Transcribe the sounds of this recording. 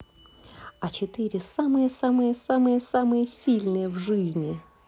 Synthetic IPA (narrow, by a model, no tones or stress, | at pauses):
ɐt͡ɕɪt̪ɨɾʲɪsamɨjəsamɨjəsamɨjəsamɨjəsʲilʲnɨjəvʐɨzʲnʲɪ